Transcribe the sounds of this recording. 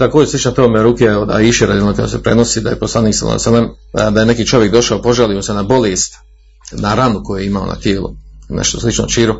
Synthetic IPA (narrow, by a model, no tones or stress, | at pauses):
t̪akoːd͡ʑeslit͡ʃnat̪oomeɾuːkeod̪a̰iʃeɾad̪ionok̪ojo̰sepɾenosiːd̪ajeposlˠaniːksa̰la̰salemd̪aje̞nekiːt͡ʃo̞ʋjek̚d̪o̞ʃaopo̞ʒaliːmose̞nabo̞leːst̪ | naɾanukojujeimao̰na̰t̪jeːlṵnḛʃt̪oslˠit͡ʃno̰ʃiːɾo